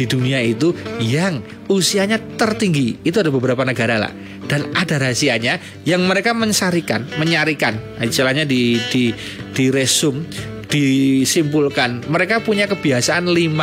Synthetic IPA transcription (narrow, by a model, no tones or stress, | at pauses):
diduniait̪ujaŋ | usiaɲat̪ərt̪iŋɡiːt̪uadabəbəɾapanəɡaɾala̰ʔ | d̥anadaɾasiaɲa | jaŋməɾekaməɲsaɾikanməɲaɾikan | at͡ʃalaɲadidi | d̥iɾesʊm | d̥isimbʊlkanməɾekapuɲakəbiasaʔanlima